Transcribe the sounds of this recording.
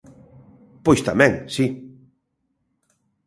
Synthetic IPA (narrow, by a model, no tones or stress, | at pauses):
pojst̪amɛ̃ŋsi